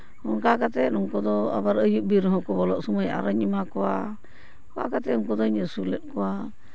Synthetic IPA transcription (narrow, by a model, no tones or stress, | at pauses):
hɔnkakat̪ɛuŋkɔd̪ɔa̰baɾəjuʔ̚biɾɦɔ̃kɔbɔlɔʔsɔməja̰ɾəɲimakɔwa̰ | kɔakat̪ɛuŋkɔd̪ɔɲəsulɛt̪̚kɔwa